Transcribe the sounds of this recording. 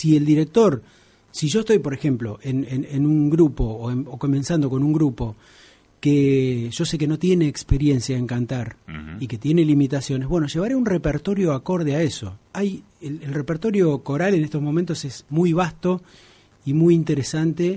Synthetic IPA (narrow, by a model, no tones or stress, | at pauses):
sield̪iɾek̚t̪o̞ɾ | siʒo̞est̪o̞jpo̞ɾexe̞mplo̞̰ʔenenenuŋɡɾupo̞oenoko̞mẽ̞nsand̪o̞ko̞nuŋɡɾupo̞ | keʒ̥o̞se̞k̬e̞no̞t̪je̞ne̞ːkspe̞ɾje̞nsjaeŋkant̪aɾike̞t̪je̞ne̞limit̪asjo̞neɦβwe̞no̞ʒe̞βaɾeunrepeɾt̪o̞ɾjo̞ako̞ɾð̞eaeso̞̰aj | elelrepeɾt̪o̞ɾjo̞ko̞ɾalenest̪o̞zmo̞mẽnt̪o̞se̞smujβ̞ast̪o̞ | imujint̪e̞ɾesant̪e̞